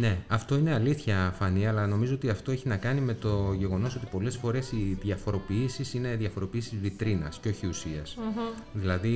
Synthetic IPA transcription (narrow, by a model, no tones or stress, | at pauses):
ne̞ɐft̪o̞ine̞ɐliθçɐfɐniɐlɐno̞mizo̞o̞t̪iɐft̪o̞e̞çinɐkɐnime̞t̪o̞ʝe̞ɣo̞no̞so̞t̪i̥po̞le̞sfo̞ɾe̞siðʝɐfo̞ɾo̞piisisine̞ðʝɐfo̞ɾo̞piisizvit̪ɾinɐ̰sceo̞çiusiɐs | ðilɐði